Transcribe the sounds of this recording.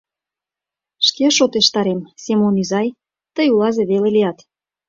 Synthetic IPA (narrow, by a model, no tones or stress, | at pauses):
ʃkeʃot̪eʃt̪ɑɾemsemonyzɑj | t̪əjulɑzeβeleliɑt̪